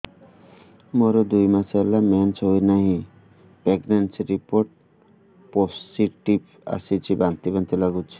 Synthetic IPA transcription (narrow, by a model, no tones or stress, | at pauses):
moɾɔd̪ujmasalament͡ʃojnaɦĩ | peɡnensɾipoɾʈ̚ | possiʈip | a̰sit͡ʃʰibant̪ibant̪ilaɡut͡ʃʰi̥